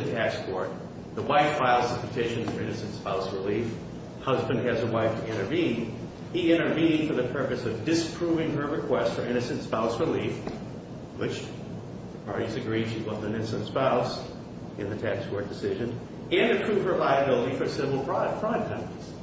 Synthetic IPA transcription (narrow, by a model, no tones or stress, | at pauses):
ɨtʰækskʰɔɹt̪̚ | ðəwaɪfːaɪlˠzəpʰɨtʰɪʃɨ̃nə˞ɪ̃nɨsɨ̃n̩tspaʊsɹəlif | hʌzbɨ̃nd̚ɨzəwaɪftʰɨɪ̃ɾ̃ə˞vĩn | iɪ̃ɾ̃ə˞vĩnɪ̃ŋfə˞ðɨpʰɜ˞pɨsʌvdɨspʰɹ̥uvɪ̃ŋə˞ɹɨkʰw̥ɛstfə˞ɪ̃ɾ̃ɨsɨ̃ntspaʊsɹɨlif | wɪt͡ʃ | ðɨpʰɑ̰ɹɾizɨɡɹid̥ʃiwʌzɨ̃nɪ̃nɨsɨ̃nspaʊs | ʔɨ̰̃nðɨtʰækskʰɔɹt̚d̥ɨsɪʒɨ̃n | ɨ̃nɨpʰɹ̥uv̥ə˞laɪɨbɪlˠəɾifə˞sɪvl̩ˠpʰɹ̥ɑɾətfɹʌ̃n̚kʰʌ̃iz̥